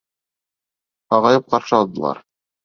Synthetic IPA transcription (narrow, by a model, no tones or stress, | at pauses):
ɑʁɑjɤp̚qɑɾʃɤɑlˠd̪ɤ̆lˠɑ̰ɾ